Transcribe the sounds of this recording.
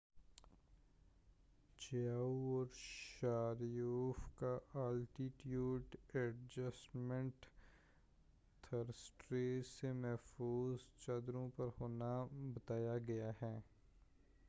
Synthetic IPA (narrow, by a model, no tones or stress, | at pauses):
t͡ʃaːuɔːɾʃaːɾjuːfkaɐlʈiʈjuːɖɛʈd͡ʒəsʈmɛ̃ɳʈ | t̪ʰɐɾsʈɾeːemɛɦfuːzt͡ʃɐd̪ɾõpɐɾhoːnabɐt̪aːjaɡɐjaɦɛː